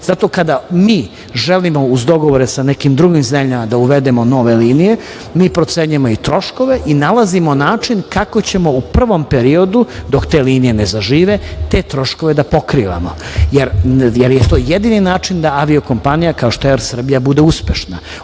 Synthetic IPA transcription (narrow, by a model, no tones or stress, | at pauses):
z̥at̪o̞kad̪amiː | ʒe̞limo̞uzd̪o̞ɡo̞ʋoɾesane̞kimd̪ɾuɡimzemʎamad̪auʋe̞d̪e̞mo̞no̞ʋe̞liːnije̞ | miːpɾo̞t̪seːɲujemo̞it̪ɾo̞ʃko̞ʋe̞ʔinalazimo̞naːt͡ʃinkako̞t͡ɕe̞mo̞upr̩ʋo̞mpe̞ɾio̞d̪ud̪okt̪e̞ːliːnijenezaʒiːʋe̞t̪e̞ːt̪ɾo̞ʃko̞ʋe̞d̪apo̞kɾiʋa̰mojeɾjeɾjet̪o̞ːjed̪ininaːt͡ʃind̪aaʋio̞ko̞mpanijakaoʃt̪oeɾsr̩bijabud̪euspe̞ʃna